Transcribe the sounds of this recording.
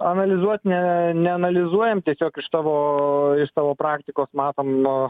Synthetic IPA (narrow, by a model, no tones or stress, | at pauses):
ɐnɐlʲɪzuɔt̪nʲɛnʲɛɐnɐlʲɪzuɔjɛmt̪ʲiɛsʲoːkɪʃt̪ɑːʋoːɪʃsɑːʋoːpɾɑːkt̪ʲɪkoːsmɑːt̪oːmnʊ